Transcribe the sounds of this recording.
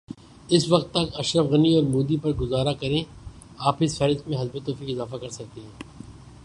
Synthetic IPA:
ɪsʋɐqt̪ːɐkɐʃɾəfɣɐniɔːɾmuːd̪ipɐɾɡʊzaːɾakɐɾẽ | aːpɪsfɛɾɪst̪mẽɦɐzbet̪oːfikɪzaːfakɐɾsɐk̚t̪eɦɛ̃ː

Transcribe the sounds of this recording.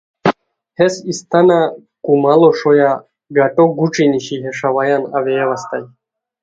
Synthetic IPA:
hɛsist̪ʰanakʼumalɔʂɔja | ɡaʈʼɔɡuʈ͡ʂʼiniʃiɦɛʂavajanavɛvast̪aj

